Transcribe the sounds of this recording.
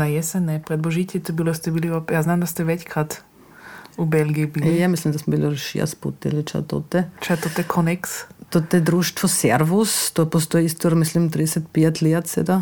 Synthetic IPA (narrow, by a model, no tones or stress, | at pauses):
najɛsɛnɛpɾɛd̪lɔʒit̪ɛt̪ɔbilɔst̪ɛbiliɔjaznaːmd̪ast̪ɛʋɛckɾaːt̪ | ubɛlɡiibilijamislimd̪asmɛbilʃḭa̰spṵt̪ɛ̰lit͡ʃa̰t̪ɔ̰t̪ɛt͡ʃat̪ɔt̪ɛkʰɔnɛkst̪ɔt̪ɛd̪ɾuʃt̪ʋɔsɛrʋust̪ɔpɔst̪ɔiist̪ɔɾmislimt̪ɾidɛsat̪piat̪ʲliat̪t̪ɛ̰d̪a